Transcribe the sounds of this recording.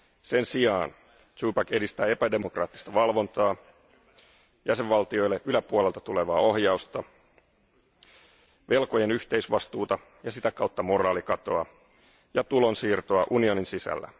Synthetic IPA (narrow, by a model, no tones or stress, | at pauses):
se̞nsiɑːn | t͡ʃuːpɑke̞dist̪æːe̞pæde̞mo̞krɑ̰ːt̪ːi̥st̪ɑʋɑlʋo̞nt̪ɑː | jæse̞ʋʋɑlt̪io̞jlːeʔylæpuole̞lt̪ɑ̥t̪ule̞ʋɑːo̞hjɑust̪ɑ | ʋe̞lkoje̞nyht̪eisʋɑst̪uːt̪ɑ | jɑsit̪ækɑwt̪ːɑmo̞rɑːlikɑt̪o̞ɑ | jɑt̪ulo̞nsiːrt̪oɑʔunio̞ninsisæ̰lːæ̰